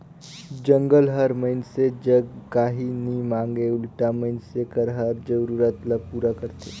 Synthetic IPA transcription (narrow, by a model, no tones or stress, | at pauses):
d͡ʒə̃ŋɡəlɦəɾməɪnsed͡ʒəɡkaːɦinimãːŋɡeʊlʈaməɪnsekəɾɦəɾd͡ʒəɾuːɾət̪ləpuːɾakəɾt̪eː